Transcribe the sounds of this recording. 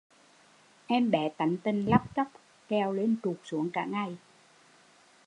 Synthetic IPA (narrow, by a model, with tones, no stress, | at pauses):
ʔɛ˧mɓɛ˨˩t̪a˨˦jŋt̪ə˧nla˦˥p̚t͡ɕə˦˥p̚ | kɛ˧wle˧nt͡ɕu˨˩k̚su˨˦əŋkaː˧˩ŋa˧j